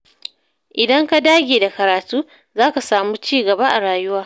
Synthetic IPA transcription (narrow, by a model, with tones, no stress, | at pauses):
ʔɪ˨dɐ˦ŋka˦daː˦ɡʲeː˨da˨kɐ˨ɾaː˨tuː˦ | zaː˦ka˨saː˨muː˦t͡ʃiː˦ɡɐ˨ba˦ʔa˨ɽaː˨jʊ˦waː˨